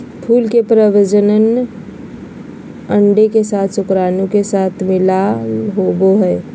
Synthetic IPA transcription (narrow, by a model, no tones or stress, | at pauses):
pʰuːlkepɾəʋəd͡ʒənən | ə̃ɳɖekesaːt̪ʰsʊkɾaːnũkesaːt̪ʰmɪlaɦoboɦɛː